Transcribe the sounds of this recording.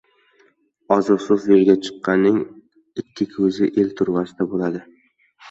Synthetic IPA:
ɒzɨsʊfjeɾɡʲat͡ʃʰɨ̥qːɑnːɪŋ | ɪkʲʰːɪkʲʰɵzɪʔelt̪ʰʊɾvasɪd̪abolad̪ɪ

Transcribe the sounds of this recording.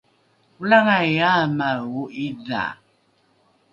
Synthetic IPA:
ulaŋajamaɣuʔiða̰

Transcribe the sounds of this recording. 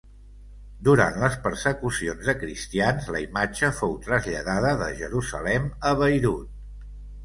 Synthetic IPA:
d̪uɾa̰nt̪ləspəɾsəkusionzðəkɾist̪ianzləimad͡ʒəfowt̪ɾəzʎəðaðəðəʒəɾuzə̰lɛməβəjɾut̪̚

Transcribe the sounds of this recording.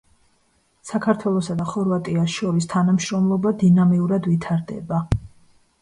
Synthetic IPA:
sakʰaɾt̪ʰwɛlˠɔsad̪aχɔɾvat̪ʼiasʃɔɾist̪ʰanamʃɾɔmlˠɔbad̪inamiuɾad̪vit̪ʰaɾd̪ɛ̰ba

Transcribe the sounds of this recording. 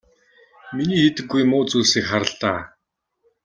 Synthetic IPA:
miniːxet̪ɘ̆ɡːujmʊːt͡suːseːkχaɾə̆ɬt̪aː

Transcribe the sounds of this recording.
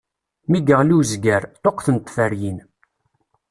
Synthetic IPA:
miɡəʁluzɡæɾt̪oqθənt̪ˤːfəɾjin

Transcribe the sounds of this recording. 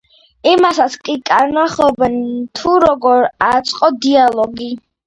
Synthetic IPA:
imasat̪sʰkʼikʼaɾnaχɔbɛnt̪ʰuɾɔɡɔɾat̪sʼqʼɔd̪ialˠɔɡi

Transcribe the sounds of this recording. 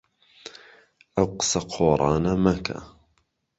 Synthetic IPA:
ʔawqsaqʰoːɾˤɑːnamaka̰

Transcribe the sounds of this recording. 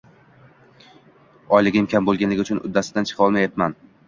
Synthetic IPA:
ɒjlɪɡʲɪmkʲambolˠɡʲanlɪɡʲɪʊt͡ʃʰʊnʊ̰d̪ːasɪd̪ant͡ʃʰɨ̥qʰɒlˠmajat̪man

